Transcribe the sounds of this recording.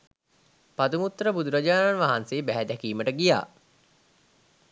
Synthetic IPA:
pat̪uŋut̪ːəɾəbud̪uɾad͡ʒaːnanʋaɦanseːbæɦæd̪ækiːməʈəɡija̰ː

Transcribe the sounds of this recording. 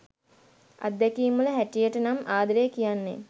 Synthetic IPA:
a̰d̪ːɛkiːmːuləɦæʈijəʈənamʔaːd̪əɾeːkijanːḛ

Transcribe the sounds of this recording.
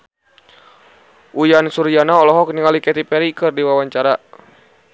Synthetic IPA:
ʔujansuɾijanaɔlɔɦɔk̚niŋalikɛt̪ipɛɾikɨrdiwawaɲt͡ʃaɾa

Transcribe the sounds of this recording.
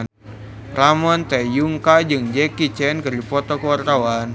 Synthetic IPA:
ramɔnt̪ɛjuŋkad͡ʒɨŋd͡ʒɛkit͡ʃɛnkɨrdipɔt̪ɔkɔartawan

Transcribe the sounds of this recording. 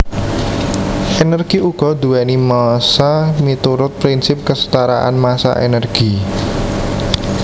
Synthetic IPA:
ʔenərɡ̥iʔuɡ̥ɔ̤d̪ṳɛnimasamit̪uɾʊt̪̚pɾinsɪp̚kəsə̥t̪aɾa̰ʔa̰nmasa̰ʔḛnərɡ̥i

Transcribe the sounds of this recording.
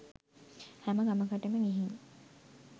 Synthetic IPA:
hæməɡaməkəʈeməŋiɦiŋ

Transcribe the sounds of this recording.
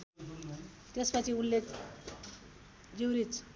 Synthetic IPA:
t̪espat͡siunle | d͡ʒiwɾit͡s

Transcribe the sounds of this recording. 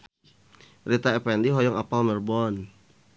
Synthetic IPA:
rit̪aɛpɛndiɦɔjɔŋapalmɛrbɔn

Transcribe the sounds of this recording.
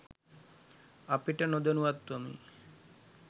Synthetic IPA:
apiʈanod̪enuat̪ːuamḭ

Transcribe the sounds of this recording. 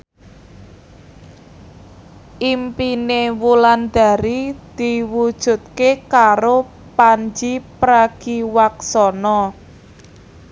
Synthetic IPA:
ʔimpinewuland̪̥a̤ɾid̪̥iwud̥ʒ̥ṳt̪̚kekaɾo | paɲd͡ʒipɾaɡ̥iwaksɔnɔ

